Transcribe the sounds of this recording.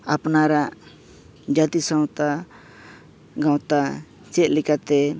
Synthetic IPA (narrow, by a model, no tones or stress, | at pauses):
apnaɾaʔ | d͡ʒat̪isãw̃t̪a | ɡãwt̪a | t͡ʃɛt̪̚lɛkat̪ɛ